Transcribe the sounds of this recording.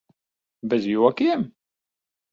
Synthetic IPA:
bæzjiwækːim

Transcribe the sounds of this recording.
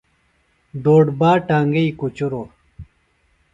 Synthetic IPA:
d̪oːɖbaːʈaːŋɡɐikut͡ɕuɾo

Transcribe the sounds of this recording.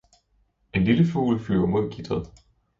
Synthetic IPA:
e̝nliləfṵːlfly̰ɐmo̝ð̰ˠkʰid̥ɐð̩ˠ

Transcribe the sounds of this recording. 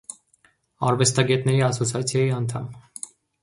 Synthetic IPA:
ɑɾvɛst̪ɑɡɛt̪nɛɾiɑsɔt͡sʰiɑt͡sʰjɑjiɑnt̪ʰɑm

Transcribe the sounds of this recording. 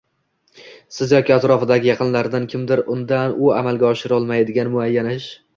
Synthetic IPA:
sɪzjɒkʲɪat̪ɾɒfɪd̪aɡʲɪjɑqʰɨnlaɾd̪ankʲʰɪmd̪ɪɾʊnd̪anʊamalˠɡʲaɒʃɪɾɒlˠmajd̪ɪɡʲanmʊajːanɪʃ

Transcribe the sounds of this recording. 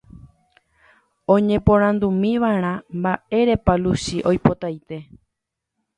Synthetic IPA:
õ̞ɲẽ̞põɾ̃ãnd̪umĩʋaɾ̃ãmbaʔe̞ɾe̞palusiʔojpo̞t̪ajt̪e̞

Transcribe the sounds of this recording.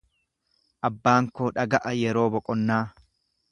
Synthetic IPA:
ʔɐbːaːŋkoːᶑɐɡɐʔɐjɛɾo̞ːbɔkʼɔnːaː

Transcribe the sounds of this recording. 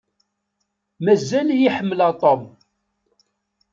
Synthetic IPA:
mæzːæljiħəmːəlɑt̪ˤom

